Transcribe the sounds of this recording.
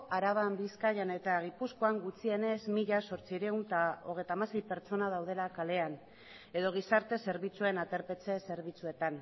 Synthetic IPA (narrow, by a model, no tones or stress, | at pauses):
aɾaβ̞ambiskajane̞t̪aɣ̞ipusko̞aŋɡut͡sie̞ne̞zmiʎaso̞ɾt͡siɾeunt̪ao̞ɣe̞jt̪amase̞jpe̞ɾt͡ʃo̞nað̞awð̞e̞lakale̞an | e̞ðo̞ɣ̞isaɾt̪e̞se̞ɾβit͡sue̞nat̪e̞ɾpe̞t͡se̞se̞ɾβ̞it͡sue̞t̪an